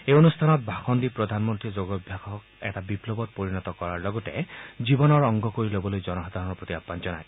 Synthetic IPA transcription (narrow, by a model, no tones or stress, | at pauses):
ejonustʰanɔt̚bʱaxɔnd̪ipɹɔd̪ʱanmɔnt̪ɹid͡ʒoɡɔbʱjaxɔk | ɛ̰tabiplɔbɔt̚poɹinɔt̪ɔkɔɹaɹlɔɡɔted͡ʒibɔnɔɹɔŋɡʱɔkoɹilobɔlojd͡ʒɔnɔxad̪ʱaɹɔnɹpɹɔt̪iapːant͡ʃɔna̰j